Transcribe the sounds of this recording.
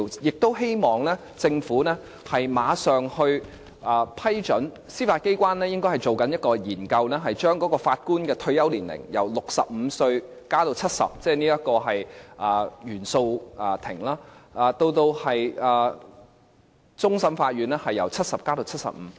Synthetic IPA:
jɪ˨k̚t̪o˥whe˥jmɔː˨˩ŋlɛː˥ | t͡sɪ˧ŋfuː˨˥nɛː˥ | hɐ˨jmaː˨˧sœː˨ŋhɵ˧ɥ | ʔɐː˨˧pʰɐ˥jt͡ʃɵ˨˥n | siː˥faː˧t̚ke˥jkʷaː˥nlɛː˥jɪ˥ŋkɔ˥jhɐ˨˩jt͡so˨˩wkɐ˨˥njɐ˥t̚kɔː˧jiː˨˩nkɐ˧wnɛː˥ɦɐ˨jt͡ʃœː˥ŋkɔː˨˥kɔː˧faː˧t̚kuː˥nkɛː˧t̪ʰɵ˧ɥjɐ˥wliː˨˩nlɪ̰˨˩ŋjɐ̰˨˩wlʊ˨k̚sɐ˨p̚m̩˨˧sɵ˧ɥ | kaː˥t̪o˧wt͡sʰɐ˥t̚sɐ̰˨p̚t͡sɛː˥niː˥jɐ˥t̚kɔː˧ɦɐ˨jʔɐː˨˧jyː˨˩nso˧wʔɐ˨˧t̪ʰɪ̰˨˩ŋlaː˥ʔɐː˨˧t̪o˧wt̪o˧whɐ˨jɐː˨˧ | t͡sʊ˥ŋsɐ˨˥mfaː˧t̚ɥyː˨˩nɛː˥hɐ˨jːɐ˨˩wt͡sʰɐ˥t̚sɐ˨p̚kaː˥t̪o˧wt͡sʰɐ˥t̚sɐ̰˨p̚m̩ː˨˦

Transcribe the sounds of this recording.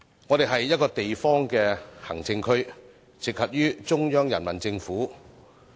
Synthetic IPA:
ŋɔː˨˧t̪e˨˩ɦɐ˨jːɐ˥t̚kɔː˧t̪e˨jfɔː˥ŋkɛː˧hɐ˨˩ŋt͡sɪ˧ŋkʰɵ˥ɥ | t͡sɪ˨k̚hɐ˨p̚jyː˥t͡sʊ˥ŋjœː˥ŋjɐ˨˩nmɐ˨˩nt͡sɪ˧ŋfuː˨˥

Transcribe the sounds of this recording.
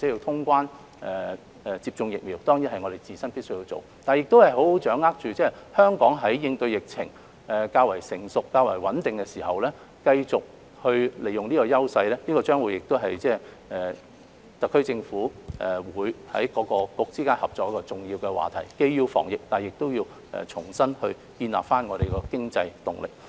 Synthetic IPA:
t͡sɛ˨˥ji˧wt̪ʰʊ˥ŋkʷaː˥n | ʔɛ˨˩ | ɛ˨t͡siː˧p̚t͡sʊ˧ŋjɪ˨k̚miː˨˩wt̪ɔː˥ŋji˨˥hɐ˨jŋɔː˨˧ɾe˨jt͡siː˨˩sɐ˥npiː˥tsɵ˥jiː˧t͡so̰˨w | t̪aː˨njɪ˨k̚t̪o˥whɐ˨jɦo˨˥who˨˥wt͡ʃœː˨˥ŋːaː˥k̚t͡ʃyː˨t͡sɛː˥hœː˥ŋkɔː˨˥ŋɦɐ˨˥jjɪ˧ŋt̪ɵ˧ɥjɪ˨k̚t͡sʰɪ̰˨˩ŋ | ʔɛ˨kaː˧wɐ˨˩jsɪ˨˩ŋsʊ˨kːaː˧wɐ̰˨˩jwɐ˨˥nt̪ɪ˨ŋkɛ˧siː˨˩hɐ˨wlɛː˥ | kɐ˧jt͡sʊ˨k̚ | hɵ˧ɥle˨˩jʊ˨ŋniː˥kɔː˧jɐ˥wsɐ˧jlɛː˥niː˥kɔː˧t͡ʃœː˥ŋwu˨jːɪ˨k̚t̪o˥ɦɐ˨jt͡sɛː˥˩ | ɛː˨ | t̪ɐ˨˩kʰːɵ˥ɥt͡sɪ˧ŋfuː˨˥ʔɛː˨˩wuː˨˧jhɐ̰˨˥jkɔː˨˧˥kɔː˧kʊ˧k̚t͡siː˥kaː˥nhɐ˨p̚t͡sɔː˨˧kjɐ˥kɔː˧t͡sʊ˨˩ŋjiː˧wkɛ˧wa̰ː˨t̪ʰɐ̰˨˩jke˧jjiː˧wfɔ̰ː˨˩ŋjɪ˨k̚t̪aː˨jɪ˨k̚t̪o˥wjiː˧w | ɛ̰˨t͡ʃʰʊ˨˩ŋsɐ˥nhɵ˧ɥ | kiː˧nla̰˨p̚faː˥nŋɔː˨˧ɾe˨jkɔː˧kɪ˥ŋt͡sɐ˧jt̪ʊ̰˨˩ŋlɪ̰˨k̚

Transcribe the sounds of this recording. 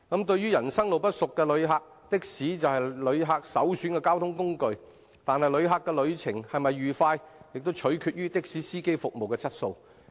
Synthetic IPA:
kɐ˨˥mt̪ɵ˧ɥyː˥jɐ˨˩nsɐ˥ŋlo˨wpɐ˥t̚sʊ˨kːɛː˧lɵ˨˧ɥɦaː˧k̚ | t̪ɪ˥k̚siː˨˥t͡sɐ˨whɐ˨jlɵ˨˧ɥɦaː˧k̚sɐ˨˥wsyː˨˥nkɛ˧kaː˥wt̪ʰʊ˥ŋkʊ˥ŋkɵ˧ɥ | t̪aː˨nhɐ˨jlɵ˨˧ɥɦaː˨˧kːɛː˧lɵ˨˧ɥt͡sʰɪ˨˩ŋhɐ˨jmɐ˨jɥyː˨˩faː˧jjɪ˨k̚t̪o˥wt͡ʃʰɵ˨˥ɥkʰyː˧t̚ɥyː˥t̪ɪ˥k̚siː˨˥siː˥ke˥jfʊ˨k̚mo˨wkɛː˧t͡sɐ˥t̚so˧w

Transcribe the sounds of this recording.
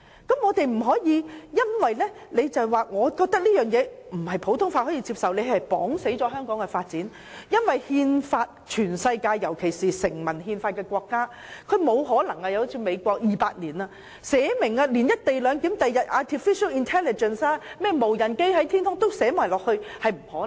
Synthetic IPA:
kɐ˨˥mŋɔː˨˧t̪e˨jm̩˨˩ɦɔː˨˥jiː˨˧jɐ˥nwɐ˨jlɛ˥ne˨˧jt͡sɐ˨wwaː˨˩ŋɔː˨˧kɔː˧k̚t̪ɐ˥k̚liː˥jœː˨ŋjɛː˨˧m̩˨˩hɐ˨jpʰo˨˥wt̪ʰʊ˥ŋfaː˧t̚hɔː˨˥jiː˧t͡si˧p̚sɐ˨wle˨˧jhɐ˨˩jpɔ̰ː˨˥ŋse˨˥jt͡ɕɔː˨˥ɦœː˥ŋkɔː˨˥ŋkɛ˧faː˧t̚t͡siː˨˥n | jɐ˥nwɐ˨jhiː˧nfaː˧t̚t͡ʃʰyː˨˩nsɐ˧jkaː˧jːɐ˨˩wkʰe˨˩jsiː˨sɪ˨˩ŋmɐ˨˩nhiː˧nfaː˧t̚kɛː˧kʷɔː˧kːaː˥ | kʰɵ˨˧ɥmo˨˧whɔː˨˥lɐ˨˩ŋɐ˧jɐ˨˧wt͡sʰiː˨˧me˨˧jkʷɔː˧k̚jiː˨paː˧t̚niː˨˩naː˧ | sɛː˨˥mɪ˨˩ŋa˧liː˨˩njɐ˥t̚t̪e˨˩jlœː˨˧ŋk̪i˨˥mt̪ɐ˨jːɐ˨t̚ʔaː˨˧t̪ʰiː˨˩fi˥ʃɐ˥wi˨˧nt̪ʰɛː˥lɪ˨t͡ʃə˨nsaː˧mɛː˥˩mo˨˩wjɐ˨˩nke˥jɦɐ˨˥jt̪ʰiː˥nt̪ʰʊ˥ŋt̪o˥wsɛː˨˥maː˨˩lɔː˨k̚hɵ˧ɥhɐ˨jm̩˨˩hɔː˨˥

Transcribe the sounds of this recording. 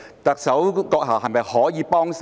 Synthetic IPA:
t̪ɐ˨k̚sɐ˨˥wkɔː˧k̚ɦɐː˨˩wɦɐ˨˩jmɐ˨jhɔː˨˥jiː˨˧pɔː˥ŋs

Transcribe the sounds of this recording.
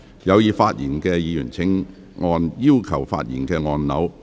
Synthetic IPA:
jɐ˨˧wjiː˨˧faː˧t̚jiː˨˩nkɛː˧jiː˨˧jyː˨˩nt͡sʰɪ˨˥ŋ | ŋɔː˧njiː˥wkʰɐ˨˩wfa̰ː˧t̚jiː˨˩nkɛː˧ŋɔː˧nnɐ˨˧˥w

